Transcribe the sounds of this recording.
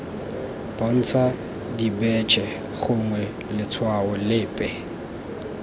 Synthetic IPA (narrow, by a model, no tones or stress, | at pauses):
bʼɔn̩t͡sʰa | dibɛt͡ʃʼɛ | χʊŋwɛ | lɪt͡sʰwaʊlɪːpʼɛ